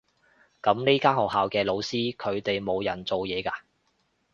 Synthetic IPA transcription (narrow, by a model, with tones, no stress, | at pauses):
kɐ˨˥mne˥kaː˥hɔ˨k̚ɦaː˨wkɛː˧lo˨˧wsiː˥kʰɵ˨˧ɥt̪e˨jmo˨˧wjɐ˨˩nt͡so˨wjɛː˨˧kaː˧